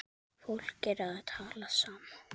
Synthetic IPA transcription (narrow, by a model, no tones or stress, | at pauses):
fowl̥cɪɾaðt̪ʰaːlasaːma